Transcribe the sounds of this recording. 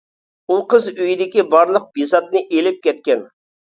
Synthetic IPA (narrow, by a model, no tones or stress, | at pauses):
uqəzøjid̪ɪkʲibɑɾlˠəq̚b̥isɑt̪̚nɨʔelɪp̚kʲɛt̪̚kʲɛn